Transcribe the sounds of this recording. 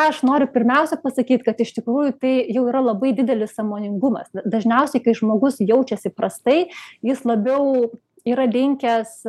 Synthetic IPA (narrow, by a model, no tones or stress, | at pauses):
ɐʃnoːɾʲʊpʲɪɾʲmʲɛʊsʲɛpɐsɐkʲiːt̪kɐt̪ɪʃt̪ʲɪkɾuːjʊt̪ɐɪjɛʊiːɾɐlˠɐbɐɪd̪ʲɪd̪ʲɛlʲɪssɑːmoːnʲɪŋɡʊmɐ̰sd̪ɐʒʲnʲɛʊsʲɛɪkɐɪʒmoːɡʊsjɛʊt͡ʃʲɛsʲɪpɾɐst̪ɐɪjɪslˠɐbʲɛʊ | iːɾɐlʲɪŋʲkʲɛs